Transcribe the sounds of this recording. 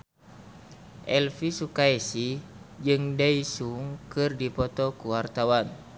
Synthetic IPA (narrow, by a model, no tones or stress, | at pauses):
ʔɛlfisukaesid͡ʒɨŋdaisuŋkɨrdipɔt̪ɔkuwart̪awan